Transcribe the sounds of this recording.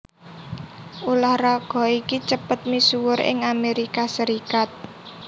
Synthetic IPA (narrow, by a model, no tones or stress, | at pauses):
ʔulahrɔɡ̥ɔ̤ikit͡ʃəpət̪̚misuwʊɾɪ̰ŋameɾikasəɾikat̪̚